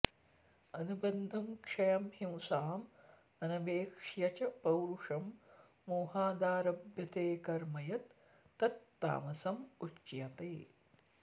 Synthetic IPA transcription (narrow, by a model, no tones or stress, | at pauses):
ɐnubɐnd̪ʱɐmkʂɐjɐmhĩwsaːm | ɐnɐʋeːkʂjɐt͡ʃɐpɐwɾuʂɐmː | oːhaːd̪aːɾɐbjɐt̪eːkɐɾmɐjɐt̪ː | ɐt̪ːa̰ːmɐsɐmut͡ʃjɐt̪eː